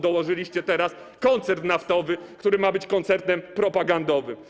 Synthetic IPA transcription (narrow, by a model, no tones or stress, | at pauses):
d̪ɔwɔʐɘlʲiɕt͡ɕɛt̪ɛɾas | kɔnt̪sɛɾt̪naft̪ɔvɘkt̪uɾɘmabɘt͡ɕkɔnt̪sɛɾt̪ɛmpɾɔpaɡand̪ɔvɘm